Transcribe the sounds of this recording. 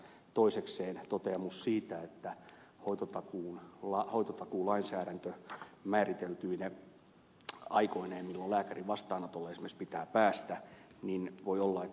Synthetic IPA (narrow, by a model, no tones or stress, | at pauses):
t̪oisekseːnt̪ot̪eɑmussiːt̪æet̪ːæ | hoit̪ot̪ɑkuːnlɑhoit̪ot̪ɑkuːlɑinsæːɾænt̪ømæːrit̪elt̪yːne | ɑ̰ikoineːmilːollæːkæriʋɑst̪ɑːnɑt̪olːesimerspit̪æːpæːst̪æ | ninʋoiolːɑe